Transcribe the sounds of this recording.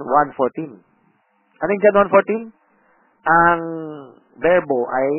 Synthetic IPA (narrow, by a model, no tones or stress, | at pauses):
wanfoɹt̪in | ʔɐnɪŋd͡ʒanwanfoɹt̪in | ʔɐŋ | bɛɹboʔaj